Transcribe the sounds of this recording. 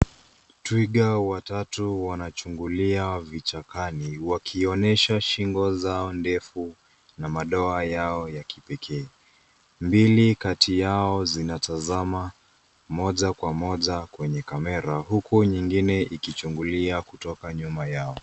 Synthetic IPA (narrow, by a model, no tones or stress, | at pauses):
twiɠawatatuwanat͡ʃuŋɡuliavit͡ʃakaniwakʰiɔnɛʃaʃiŋɡɔzaɔndɛfu | namaɗɔajaɔjakʰipɛkʰɛː | mbilikatʰijaɔzinatazama | mɔʄakwamɔʄakwɛɲɛkamɛɾahukuɲiŋɡinɛʔikit͡ʃuŋɡuliakutɔkaɲumajaɔ